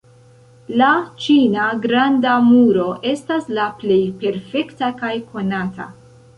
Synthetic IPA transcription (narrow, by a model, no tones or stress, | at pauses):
lat͡ʃinaɡɾandamuɾo̞ʔe̞staslaple̞jpe̞ɾfe̞ktakajko̞natʰa̰